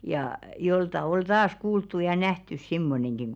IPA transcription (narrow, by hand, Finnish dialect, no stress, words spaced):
jɑˑ joltɑ ol tɑːs kuːltːu jɑ næhtys simːoneŋɡ̊iŋ